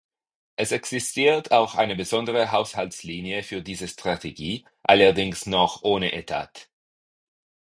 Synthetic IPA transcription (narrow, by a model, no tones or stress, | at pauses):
ʔɛsɛksɪstʰiːɐtʰaʊxʔa̰ɪnəbəzɔndəʁəɦaʊshalsliːnjəfyːɐdiːzəstʁ̥atʰeɡiː | ʔalɐɐdɪŋsnɔχʔoːnəʔetʰa̰ːt